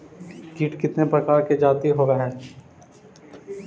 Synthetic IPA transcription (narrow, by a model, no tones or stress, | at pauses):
kiːʈkɪt̪nepɾɐkaːɾked͡ʒaːt̪iɦoːɡaɦɛː